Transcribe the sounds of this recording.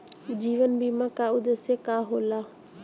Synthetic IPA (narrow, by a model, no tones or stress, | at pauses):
d͡ʒiːʋənbʱiːmãkaːʊd̪əsekaːɦoːlaː